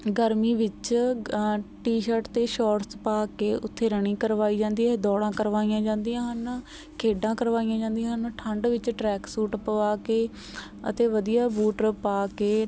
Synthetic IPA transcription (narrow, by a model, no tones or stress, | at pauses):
ɡəɾmiːʋɪt͡ʃ | ʈiːʃəɾʈt̪eːʃɔːʈspaːkeːʔʊt̪ʰːeːɾəɳiːkəɾʋaːiːd͡ʒãːnd̪iːɛːd̪ɔːɽãːkəɾʋaːijãːd͡ʒãːnd̪ijãːɦən | kʰeːɖãːkəɾʋaːijãːd͡ʒãːnd̪ĩjãːɦənʈʰəɳɖʋɪt͡ʃʈɾɛːksuːʈpəʋaːkeː | ə̰t̪eːʋəd̪ijaːbuːʈɾəpaːkeː